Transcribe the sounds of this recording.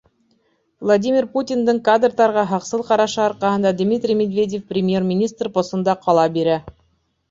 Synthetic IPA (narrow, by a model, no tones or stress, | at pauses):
vlˠadʲimʲɪrputʲind̪ɤɴkad̪rt̪ɑɾʁɑɦɑqsɤlˠqɑɾɑʃɑɑɾqɑɦɤ̆nd̪ɑd̪mʲit̪rʲimʲed̪vʲedʲefprʲɪmʲje̞rmʲɪnʲist̪rpost̪ɤ̆nd̪ɑqʰɑlˠɑbiɾæ